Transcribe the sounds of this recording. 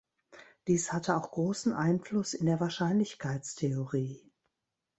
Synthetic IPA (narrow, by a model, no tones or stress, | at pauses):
d̥iːshatʰəaʊxɡ̥ʁoːsn̩ʔaɪnflʊsɪndeːɐvaːɐʃaɪnlɪçkʰaɪt͡stʰeoʁiː